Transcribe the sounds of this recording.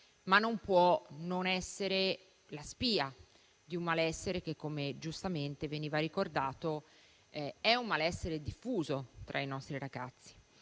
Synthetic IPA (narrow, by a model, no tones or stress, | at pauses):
manːompwɔnonɛsːeɾe | laspiːa | d̪iumːalɛsːeɾek̟ekːomed͡ʒust̪ament̪eveniːvaɾikord̪aːt̪o | ɛɛumːalɛsːeɾed̪ifːuːzot̪ɾʔainɔst̪ɾiɾaɡat̪sːi̥